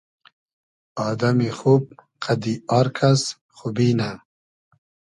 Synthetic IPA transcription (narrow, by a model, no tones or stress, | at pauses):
ɑːd̪amixub̚ | qʰad̪iɑːɾkʰas | xubina